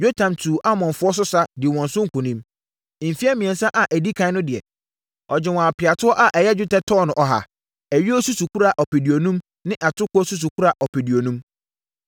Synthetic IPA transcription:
jo˦tʰã˨mtʰuː˨ʔa˦mɔ̃˨nfʊ˦ɔ˦s̬ʊ˦sa˦dɪ˨wɔ̃˨nsʊ̃˦ŋ̩˦kʰũ˨nĩ˦m˦ | m̩˨fi˦a˦mĩ˨ɛ̃˨n˦sã˦ʔa˨ʔæ˨di˦kʰã˦ɪ˦nʊ̃˦dɪ˨ɛ̰˨ | ɔ˨d͡ʑɪ˦wɔ̃˨a˨pʰɪ˨a˨tʰʊ˦ɔ˦ʔa˦ʔɛ˨jɛ˦d͡ʑᶣʊ˦tɛ˦tʰɔː˦˨nʊ̃˨ʔɔ˨ɦa̰˨ | æ˨ɥi˦ɔ˦su˦su˨kʰu˦ɾa˨ʔɔ˨pe˨di˨o˨nũ˦m | nɪ̃˦ʔa˨tʰʊ˦kʊ˦ɔ˦su˦s̬u˨kʰu˦ɾa˨ʔɔ˨pʰe˨di˨o˨nũ˦m

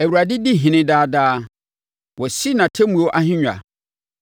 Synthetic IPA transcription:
æ˨wu˨ɾa˨dɪ˦di˦ɦɪ̃˨nɪ̃˦daː˦daː˦ | wɔ˨si˦nã˨tʰɛ˦mũ˨wo˦ʔa˦ɦɪ̃˦ɲᶣ˨a̰˨

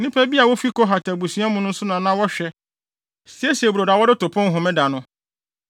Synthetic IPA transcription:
nɪ̃˦pʰæ˦bi˦a˨wɔ˦fi˦kɔ˦ɦa˨tʰa˨bu˨su˨˦a˦mʊ̃˦nʊ̃˦n̩˦sʊ˦nã˨nã˦wɔ˦ɕᶣɛ˦ | sɪ˨˦ɛ˦si˨ɛ˨bu˨ɾo˨da˨wɔ˦dɪ˦tʊ˨pʰʊ̃˦nɦʊ˨mɪ̃˦da˨nʊ̃˦

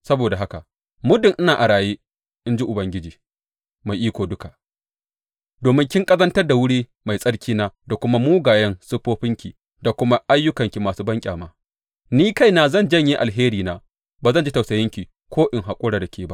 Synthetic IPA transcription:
sɐ˦boː˨da˨ɦa˦ka˨ | mʊ˦dɪ˨ŋʔɪ˦naː˨ʔa˨ɽaː˨jeː˦ | ʔɪ˦nd͡ʒi˦ʔʊ˨bɐ˦ŋɡʲɪ˦d͡ʒiː˨ | ma˨jʔiː˦kʷoː˨dʊ˦ka˨ʔ | doː˨mɪ˦ŋkʲɪ˦ŋkʼɐ˦zɐ˦ntɐ˦rda˨wʊ˦ɽiː˦ | ma˨jsʼɐ˦ɽkʲiː˦naː˦da˨kʷʊ˦ma˦muː˦ɡaː˨jɐ˦nsʊ˦ɸoː˦ɸɪ˦ŋkʲi˨ | da˨kʷʊ˦ma˦ʔa˦jːʊ˦kɐ˨ŋkʲi˨maː˨suː˦bɐ˦ŋkʲʼaː˨maː˦ | niː˦ka˦˨jnaː˨zɐ˦˨nd͡ʒɐ˦˨ɲji˦ʔa˨lɦeː˦ɾiː˨naː˨ | baː˨zɐ˦˨nd͡ʒi˦ta˨wsɐ˨jɐ˦ŋkʲi˨ | kʷʰoː˦ʔɪ˨ŋɦa˨kʷʼʊ˦ɽaː˨da˨kʲeː˨ba˦ʔ

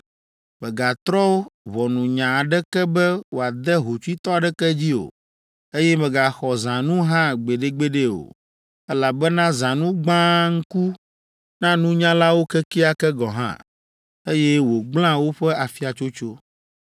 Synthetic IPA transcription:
mɛ̃˨ɡa˨t̪ɾɔ˦wo˦βɔ˨nũ˨ɲã˨a˨ɖɛ˦kɛ˦bɛ˦wo˨a˨d̪ɛ˦ɦo˨t͡ʃu˦i˦t̪ɔ˦a˨ɖɛ˦kɛ˦d͡ʑi˦o̰˨ | e˦jɛ˦mɛ̃˨ɡa˨xɔ˨zã˨nũ˦ɦã˦ɡ͡be˨ɖe˦ɡ͡be˦ɖe˦o̰˨ | ɛ˦la˨bɛ˦nã˦zã˨nũ˦ɡ͡bã˦ŋ̩˦ku˦ | nã˦nũ˦ɲã˦la˦wo˦kɛ˦ki˦a˨kɛ˦ɡɔ˨ɦã̰˦˨ | e˦jɛ˦wo˨ɡ͡bl̃ã˦wo˦ɸɛ˦a˨fi˦a˨t͡ʃo˦t͡ʃo˦

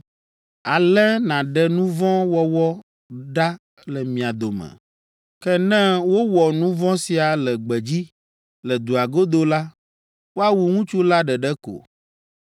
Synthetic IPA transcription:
a˨lɛ˦nã˨ɖɛ˨nũ˦vɔ̃˦wɔ˦wɔ˦ | ɖa˦ | lɛ˨mĩ˨a˨d̪o˨mɛ̰̃˨ | kɛ˦nɛ̃˦wo˦wɔ˨nũ˦vɔ̃˦si˨a˨lɛ˨ɡ͡bɛ˨d͡ʑi˦ | lɛ˨d̪u˨a˨ɡo˦d̪o˦la˦ | wo˦a˦wu˨ŋũ˦t͡ʃu˦la˦ɖɛ˨ɖɛ˦ko̰˨

